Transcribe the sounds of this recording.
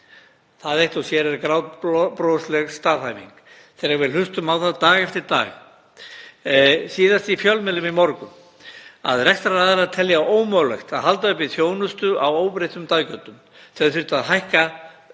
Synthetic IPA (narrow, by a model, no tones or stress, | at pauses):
θaðejht̪ɔsjɛɾɛɾkɾawðpɾoslɛɣst̪aːðhajvḭŋk | θɛːɾaɣvɪðl̥ʏst̪ʏmawθaðt̪aːɣɛft̪ɪɾt̪a̰ːɣ | siːðast̪ifjœlmɪlːɪmimɔɾkʏm | a̰ðrɛxst̪ɾaɾaðɛɾaðt̪ʰɛljaʔoːwmœlɛ̰xt̪aðɦalt̪aʏhpɪθjoːwnʏst̪ʏawoːwpɾejt̪ʏmt̪aːðcœt̪ʏm | θʰɛðθɪɾ̥t̪aðɦajhka